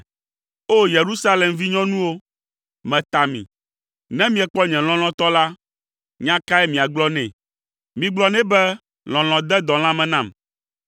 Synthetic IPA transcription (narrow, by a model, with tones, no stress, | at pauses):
o˦je˨ɾu˦sa˦lɛ˨mvi˦ɲɔ̃˦nũ˦wo˦ | mɛ̃˨t̪a˨mḭ̃˨ | nɛ̃˦mĩ˨ɛ˨k͡pɔ˦ɲɛ̃˨l̃ɔ̃˨l̃ɔ̃˨t̪ɔ˦la˦ | ɲã˦ka˦ɛ˦mĩ˨a˨ɡ͡blɔ˦nɛ̰̃˨ | mĩ˨ɡ͡blɔ˨˦nɛ̃˦bɛ˦ | l̃ɔ̃˨l̃ɔ̃˨d̪ɛ˦d̪ɔ̃˨l̃ã˦mɛ̃˨nã˦˨m